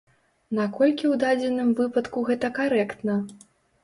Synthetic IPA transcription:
nakɔlʲkʲiwd̪ad͡zʲɛnɨmvɨpɐt̪kuɣɛt̪ɐkaɾɛkt̪nɐ

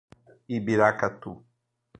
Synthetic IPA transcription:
ibiɾakat̪u

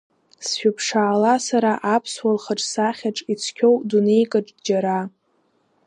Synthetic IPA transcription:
sʃᶣapʰʂaːlasaɾaʔapʰswalχaʈ͡ʂʼsaχʲaʈ͡ʂʼit͡sʰkʲʰowdune̞jkʼaʈ͡ʂʼdd͡ʒaɾa

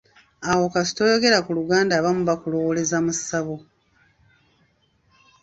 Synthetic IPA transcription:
awo̞kasi̥to̞ːjo̞ɡe̞ɾakuluɡaːndaːβamuβakulowole̞zamusaβo

